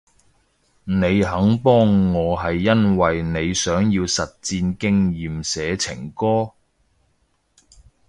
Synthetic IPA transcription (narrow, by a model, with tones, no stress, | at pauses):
ne˨˧jɦɐ˨˥ŋpɔː˥ŋːɔː˨˧ɦɐ˨jːɐ˥nwɐ˨jne˨˧jsœː˨˥ŋjiː˧wsɐ˨t̚t͡siː˧nkɪ˥ŋjiː˨msɛː˨˧t͡sʰɪ̰˨˩ŋkɔː˥